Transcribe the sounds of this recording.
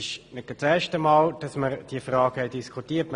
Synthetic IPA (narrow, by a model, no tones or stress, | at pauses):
ʃnɛɡ̥ət͡sɛːʃtəmɑːld̥ɑsməɾd̥iːfʁɑːɡ̥hɛɪd̥iskʰutiːətm